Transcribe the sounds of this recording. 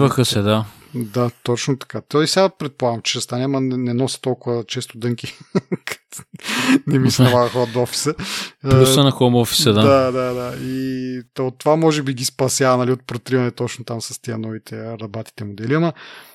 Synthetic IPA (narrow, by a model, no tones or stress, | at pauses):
vɐxəsɛd̪a | d̪at̪ɔt͡ʃnot̪ɐ̥kat̪oisɛɡapɾɛt̪̚polˠaɡɐmt͡ʃɛd̪ɐst̪anɛmɐnɛnɛnɔsə̥t̪ɔlˠkʊvɐt͡ʃɛst̪ʊd̪ɤŋkʲikʰɐ̥t̪ | nɛmisnɛvalɐxɔd̪ɔfi̥səust̪ənɐxomɔfi̥sɐd̪ad̪ad̪ad̪ait̪ot̪ːovamɔʒɛbiɡispɐsʲjavɐnɐliot̪̚pɾot̪ɾivɐnɛt̪ɔt͡ʃnot̪amsɐst̪iənɔvit̪ʰɛɾɐbat̪i̥t̪ɛmod̪ɛliɐmɐ